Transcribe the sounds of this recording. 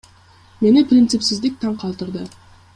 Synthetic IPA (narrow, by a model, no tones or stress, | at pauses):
me̞nɪprʲɪnt̪sɨpsɪzd̪ɪk̚ʲt̪ʰɑɴqʰɑlˠt̪əɾd̪ə